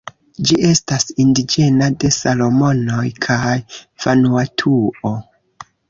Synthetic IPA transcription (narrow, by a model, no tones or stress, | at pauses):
d͡ʒiʔe̞stasindid͡ʒe̞nade̞salo̞mo̞no̞jkʰajfanuatʰuo̞